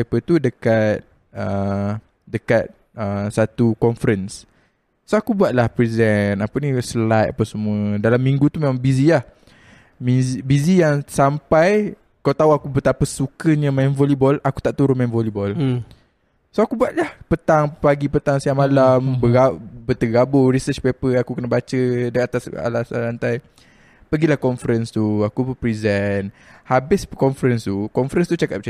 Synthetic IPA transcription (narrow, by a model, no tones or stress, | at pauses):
pət̪udəkat̪̚ | ə | dəkat̪̚ | əsat̪ukɔnfəɾəns | soakubuat̪̚lahpɾizɛnapənĩsəlat̪̚apasəmuədalamːiŋɡut̪umemaŋbizilah | mizibizijaŋsampaj | kawt̪auakubət̪apəsukəɲə̃manvɔlibɔlaku̥t̪aʔt̪uɾʊnmanvɔlibɔl | soakubuat̪̚lahpət̪aŋpaɡipət̪aŋsiaŋmalambəɡabət̪əɡaboɾisət͡ʃpepəakukənəbat͡ʃədaat̪asa̰lasa̰lant̪aj | pəɡilahkɔnfəɾənst̪uakubəpɾizɛnhabɪskɔɱfəɾənst̪ukɔnfəɾɛnst̪ut͡ʃakat̪̚t͡ʃ